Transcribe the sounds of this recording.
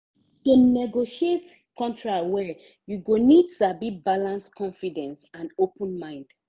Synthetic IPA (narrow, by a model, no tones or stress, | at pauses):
tunɛɡoʃiet | kʰɔ̃ntʰɹawɛ | juɡonidsabibalãnskʰɔ̃ɱfidɛ̃nsãnopə̃nmãɪ̃nd̥